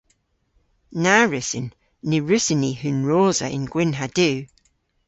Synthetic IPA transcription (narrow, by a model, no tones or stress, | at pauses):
naɹɪsɪnː | ɪɹʉsɪnihʉnɹoːzə̰ʔɪ̰̃nɡ̥wɪnɦad̥ʉː